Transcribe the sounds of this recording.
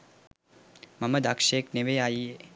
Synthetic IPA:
mɐməd̪akʃeːkneʋejaːjie

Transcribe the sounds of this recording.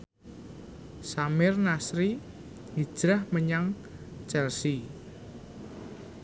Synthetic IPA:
samɪrnasɾi | ŋid̥ʒ̥ɾahməɲaŋ̥ | d͡ʒ̥arsi

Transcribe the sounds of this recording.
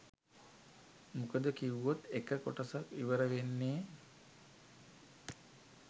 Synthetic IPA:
mukəd̪əkiwot̪ekəkoʈəsakʋiʋəɾəʋenːeː

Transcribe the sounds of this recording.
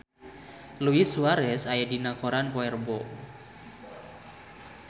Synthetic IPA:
luisuaɾɛsajadinakoɾanpɔɛrbɔ

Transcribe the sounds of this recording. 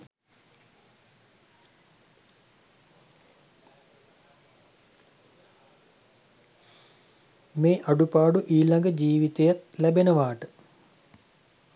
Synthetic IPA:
meːʔaɖupaːɖuʔiːlaŋɡəd͡ʑiːʋit̪ejat̪læbenəʋaːʈə

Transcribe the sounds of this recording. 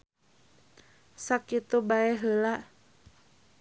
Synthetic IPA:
sakːit̪ubaɛɦəla

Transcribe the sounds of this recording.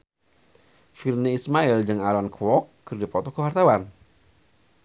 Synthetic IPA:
firneismaild͡ʒɨŋalɔnkʰwɔkːɨrdipɔt̪ɔkəwart̪awan

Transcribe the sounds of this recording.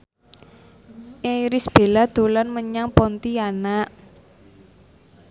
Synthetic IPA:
ʔejɾɪsb̥e̤lad̪̥o̤lanməɲaŋpɔnt̪ianaʔ

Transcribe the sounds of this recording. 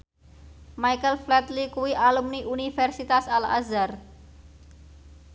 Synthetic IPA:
majkəlflɛt̪likuiʔaːlumniʔunifeɾsit̪asalɐ̰zəɾ

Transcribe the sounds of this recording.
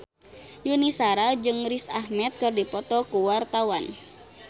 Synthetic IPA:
junisaɾad͡ʒɨŋɾisahmɛt̪̚kɨrdipɔt̪ɔkuwart̪awan

